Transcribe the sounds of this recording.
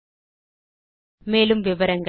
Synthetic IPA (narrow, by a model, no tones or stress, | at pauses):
meːlumʋiʋɐɾɐŋɡ